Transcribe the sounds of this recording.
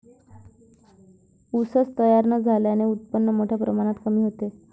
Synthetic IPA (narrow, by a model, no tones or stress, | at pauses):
usəst̪əjaɾnəd͡zʱaljaneut̪̚pənːəmoʈʰjapɾəmaɽ̃at̪kəmiːɦot̪e